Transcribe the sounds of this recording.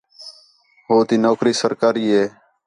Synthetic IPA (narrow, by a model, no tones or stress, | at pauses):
ɦoːt̪iːnoːkɾiːsəɾkaːɾiːɦeː